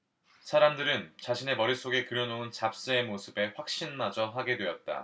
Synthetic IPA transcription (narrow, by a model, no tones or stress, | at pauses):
sʰaɾamdɯɾɯnt͡ɕaɕʰine̞mʌɾis͈oɡe̞kɯɾjʌnount͡ɕap̚s͈ɯe̞mosʰɯbe̞ɸwak̚ɕ͈inmad͡ʑʌɦaɡe̞dwe̞ʌt̚t͈a̰